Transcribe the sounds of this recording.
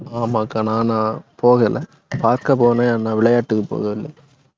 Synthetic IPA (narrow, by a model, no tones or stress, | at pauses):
aːmakːãːnãːnãːpoːɣɐlɐ | paːɾkɐpoːnẽanãːʋɪɭɐjaːʈːɯkːɯpːo̰ːɣɐʋɪlːɐj